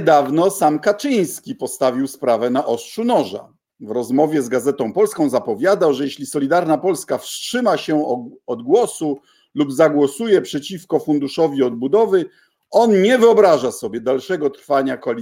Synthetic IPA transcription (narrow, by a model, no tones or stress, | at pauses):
d̪avnɔsamkat͡ʂɘj̃skʲipɔst̪avʲiwspɾavɛnaʔɔstʂunɔʐa̰ | vɾɔzmɔvʲjɛzɡazɛt̪ɔ̃w̃pɔlskɔ̃w̃zapɔvʲjad̪awʐɛjɛɕlʲisɔlʲid̪aɾnapɔlskafstʂɘmaɕɛɔd̪ɡwɔsu | lubzaɡwɔsujɛpʂɛt͡ɕifkɔfund̪uʂɔvʲiɔd̪̚bud̪ɔvɘ | ɔnɲɛvɘɔbɾaʐasɔbʲjɛd̪alʂɛɡɔt̪ɾfaɲakɔ